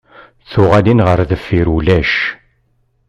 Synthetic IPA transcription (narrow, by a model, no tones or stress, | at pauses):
θʊʁælinʁəɾðəfːiɾulæʃ